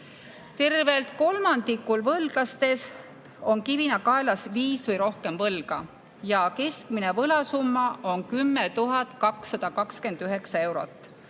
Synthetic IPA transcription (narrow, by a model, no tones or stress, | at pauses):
t̪e̞rve̞lt̪̚ko̞lmɑnd̪ikːˑulvɤlɡ̥lɑst̪e̞s | o̞ŋkivinɑkɑelɑsviːsvɤjɾo̞hke̞mvɤlɡ̥ɑ̰ | jɑke̞skminevɤlɑsumːɑonkymːet̪uɦɑt̪ˑkɑksːɑd̪̥ɑkɑkske̞nd̪̥yɦe̞ksɑe̞wɾo̞̰t̪ːˑ